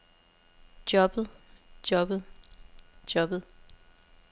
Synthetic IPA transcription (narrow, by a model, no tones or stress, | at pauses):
d̥jɒ̽b̥ð̩ˠd̥jɒ̽b̥ð̩ˠ | d̥jɒ̽b̥ð̩ˠ